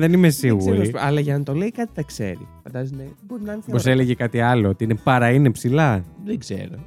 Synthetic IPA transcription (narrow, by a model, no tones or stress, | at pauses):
ðe̞nime̞siɣɣuɾiosɐlɐʝɐɐnt̪o̞leikɐt̪i̥θɐkse̞̰ɾḭfɐnd̪ɐzsneboɾinɐɐnispos̬e̞le̞ʝekɐt̪iɐlo̞ot̪iinepɐɾɐinepsilɐðeɡz̥ḛɾo